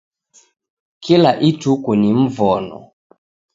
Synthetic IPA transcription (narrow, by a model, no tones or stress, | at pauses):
kilaʔitukunim̩vɔnɔ̰